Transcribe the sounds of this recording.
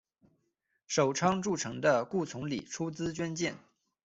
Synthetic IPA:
ʂo˨˩ʊʈ͡ʂʰɑ˥ŋʈ͡ʂu˥˩ʈ͡ʂʰɤ˧˥ŋd̪ə˧ku˥˩t͡sʰʊ˧˥ŋlḭ˨˩ʈ͡ʂʰu˥t͡sɹ̩˥t͡ɕɥɛ˥nt͡ɕjɛ˥˩n

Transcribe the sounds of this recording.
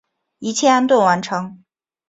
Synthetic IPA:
i˧˥t͡ɕʰjɛ˥˧a˥nt̪wo˥˩wa˧˥nʈ͡ʂʰɤ˧˥ŋ

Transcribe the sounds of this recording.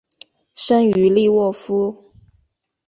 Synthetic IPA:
ʂə˥ŋy˧˥li˥˧wɔ˥˩fu˥

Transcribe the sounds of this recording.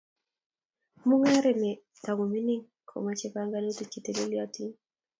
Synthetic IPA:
mu˦ŋa˦ɾɛ˨me˨ | ta˨ɡu˨mi˦ni˦ŋ | kʰo̰˨ma˨t͡ʃe˦pa˦ŋɡa˦ne˦ti˨t͡ʃi˨te˨le˦li˦a˦ti˦

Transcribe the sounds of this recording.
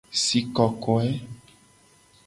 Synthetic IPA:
si˨kɔ˨kɔ˨ɛ˦

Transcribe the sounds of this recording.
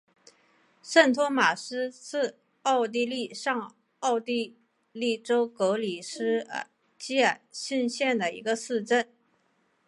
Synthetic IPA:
ʂə˥˩nt̪ʰwɔ˥ma˨˩ʂɻ̩˥sɹ̩˥˧ | ɑ˥˧ʊt̪̬i˥˧li˥˧ʂɑ˥˧ŋ | ɑ˥˧ʊt̪i˥˧ | li˥˩ʈ͡ʂo˥ʊkɤ˧˥li˨˩ʂɻ̩̰˥˧˩ | t͡ɕi˥a˨˩ɕi˥˧nɕjɛ˥˩nd̪ə˩ḭ˧˥ɡə˧sɹ̩˥˧ʈ͡ʂə˥˩n

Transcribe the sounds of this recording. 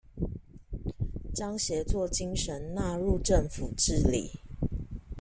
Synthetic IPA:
t͡ɕɑ˦ŋɕjɛ˨˦t͡swɔ˥˨t͡ɕi˦ŋʂə˨˦nna˥˧ɻu˥˨ʈ͡ʂə˥˨˩ŋfu˨˩ʈ͡ʂɻ̩˥lḭ˨˩˦

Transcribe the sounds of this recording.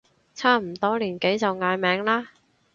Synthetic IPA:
t͡sʰaː˥˩m̩˨˩t̪ɔː˥liː˨˩nke˨˥jt͡sɐ˨wŋaː˧jmɛː˨˧˥ŋlaː˥

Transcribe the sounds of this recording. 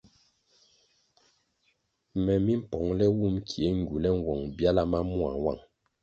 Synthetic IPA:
mɛ˨mi˦m̩˦pɔ˨ŋlɛ˦wu˦˨mkʰi˨e˨˦ŋ˨ɡu˨lɛ˦ŋ̩˦wɔ˨ŋbja˦la˦ma˦mu˦a̰˨wa̰˦˨ŋ

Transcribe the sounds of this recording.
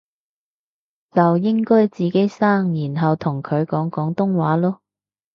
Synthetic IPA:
t͡sɐ˨wjɪ˥ŋkɔː˥jt͡siː˨˩ke˨˥jsaː˥ŋjiː˨˩nɦɐ˨wt̪ʰʊ˨˩ŋkʰɵ˨˧ɥkɔː˨˥ŋkɔː˨˥ŋt̪ʊ˥ŋwaː˨˥lɔː˥

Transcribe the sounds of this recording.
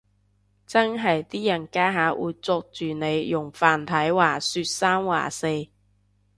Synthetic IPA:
t͡sɐ˥nɦɐ˨jt̪iː˥jɐ˨˩nkaː˥ɦaː˨˥ʔuː˨˧jt͡sɔː˧k̚t͡ʃyː˨ne˨˧jjʊ˨˩ŋfaː˨nt̪ʰɐ˨˥jwaː˨˩syː˧t̚saː˥mwa̰ː˨˩se˧j

